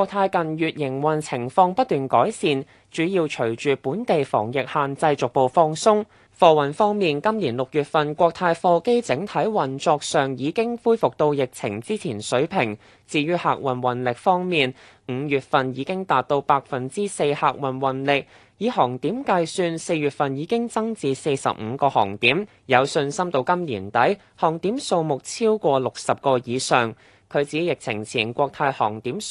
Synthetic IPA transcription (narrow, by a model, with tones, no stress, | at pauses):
kwɔː˧k̚t̪ʰaː˧jkɐ˨njyː˨t̚jɪ˨˩ŋwɐ˨˩nt͡sʰɪ˨˩ŋfɔː˧ŋpɐ˥t̚t̪yː˨nkɔː˨˥jsiː˨n | t͡ʃyː˨˥jiː˧wt͡ʃʰɵ˨˩ɥt͡ʃyː˨˩puː˨˥nt̪e˨jfɔ̰ː˨˩ŋjɪ˨k̚haː˨nt͡sɐ˧jt͡sʊ˨k̚po˨˧wfɔː˧˥ŋsʊ˥ŋ | fɔː˧wɐ˨˩nfɔː˥ŋmiː˨nkɐ˥mniː˨˩nlʊ˨k̚jyː˨t̚fɐ˨nkʷɔː˧k̚t̪ʰaː˧jfɔː˧ke˥jt͡sɪ˨˥ŋt̪ʰɐ˨˥jwɐ˨˩nt͡sɔː˧k̚sœː˨˩ŋjiː˨˧kɪ˥ŋfuː˥jfʊ˨k̚t̪o˧wjɪ˨k̚t͡sʰɪ˨˩ŋt͡siː˥t͡sʰiː˨˩nsɵ˨˥ɥpʰɪ˨˩ŋ | t͡siː˧jyː˥ha̰ː˨˧k̚wɐ˨˩nwɐ˨˩nlɪ˨k̚fɔː˥ŋmiː˨n | m̩˨˧jyː˨˩t̚fɐ˨njiː˨˧kɪ˥ŋt̪aː˨t̚t̪o˧wpaː˧k̚fɐ˨˩nt͡siː˥se˧jhaː˧k̚wɐ˨nwɐ˨˩nlɪ˨k̚ | jiː˨˧hɔː˨˩ŋt̪iː˨˥mkaː˧jsyː˧nse˧jɥyː˨t̚fɐ˨njiː˨˧kɪ˥ŋt͡sɐ˥ŋt͡siː˧se˧jsɐ̰˨p̚m̩ː˨˧kɔː˧hɔ̰ː˨˩ŋt̪iː˨˥m | jɐ˨˧wsɵ˧nsɐ˥mt̪o˧wkɐ˥mliː˨˩nt̪ɐ˨˥j | hɔː˨˩ŋt̪iː˨˥mso˧wmʊ˨k̚t͡sʰiː˥wkʷɔː˧lʊ˨k̚sɐ˨p̚kɔː˧jiː˨˧sœː˨ŋ | kʰɵ˨˧t͡siː˨˥jɪ˨k̚t͡sʰɪ˨˩ŋt͡sʰiː˨˩nkʷɔː˧k̚t̪ʰɐ˧jhɔ̰ː˨˩ŋt̪iː˨˥m